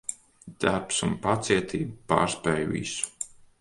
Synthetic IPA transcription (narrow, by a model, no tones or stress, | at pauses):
d̪̥aɾpsunpat̪siɛt̪ʰiːbupa̰ːɾspɛjvḭsu̥